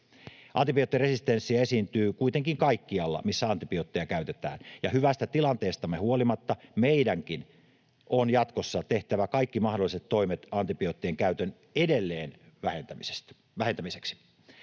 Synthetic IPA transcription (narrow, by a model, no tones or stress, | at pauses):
ʔɑ̰nt̪ipiot̪ːiresist̪ensːiæe̞siːnt̪yːkuit̪eŋkiŋkɑikːiɑlːɑ̰misːæɑnt̪ipiot̪ːejɑkæyt̪et̪æ̰ːnjɑhyʋæst̪æt̪ilɑnt̪e̞ːst̪ɑmːehuolimɑt̪ːɑmeidæŋkin | ʔonjɑt̪kosːɑt̪e̞ht̪æʋækɑikːimɑhdolːˑiset̪to̞imet̪ɑnt̪ipiot̪ːieŋkæyt̪øn | edelːeːnʋæhent̪æmise̥st̪ | ʋæhent̪æmiseksi̥